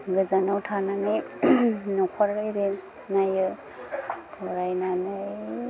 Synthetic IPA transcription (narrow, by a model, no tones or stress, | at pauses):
ɡɯzanawtʰananɯj | nɔkʰaɾɯjɾe | najɯ | ɔɾajnanɯ